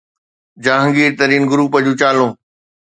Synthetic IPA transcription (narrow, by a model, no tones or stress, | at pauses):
d͡ʑaːɦə̃ŋɡiːɾt̪ɐɾiːnɡʊɾuːpəd͡ʑũːt͡ɕaːlõː